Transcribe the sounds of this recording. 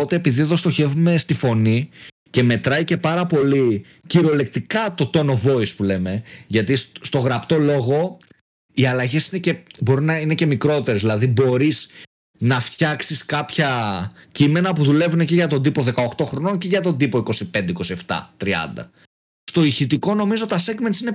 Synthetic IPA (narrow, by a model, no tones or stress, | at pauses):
ot̪eːpiðieðo̞st̪o̞çe̞vume̞st̪ifo̞ni | ce̞me̞t̪ɾɐjce̞pɐɾɐpo̞li | ciɾo̞le̞k̚t̪ikɐt̪o̞t̪o̞no̞vo̞ispule̞me̞ʝɐt̪isst̪o̞ɣɾɐpt̪o̞lo̞ɣo̞ | iɐlɐʝe̞sine̞cebo̞ɾinɐine̞ce̞mikɾot̪e̞ɾezðilɐðibo̞ɾis | nɐft̪çɐksiskɐpçɐcime̞nɐpuðule̞vuneceʝɐt̪o̞nd̪ipo̞ðe̞kɐoxt̪o̞xɾo̞no̞nceʝɐt̪o̞nd̪ipo̞iko̞sipe̞nd̪eiko̞sie̞ft̪ɐ̰t̪ɾiɐ̰nd̪ɐ̰ | st̪o̞içit̪iko̞no̞mizot̪t̪ɐseɡmensine̞